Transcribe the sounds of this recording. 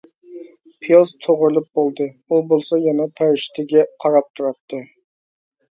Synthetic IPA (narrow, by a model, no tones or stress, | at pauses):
pʰijozt̪ʰoʁɾɨlˠɨp̚bolˠd̪ɨ | ubolˠsɑjɑnɑpʰɛɾʃt̪ʰɪɡʲɛqʰɑɾɑp̚t̪ʰuɾɑpt̪ʰɨ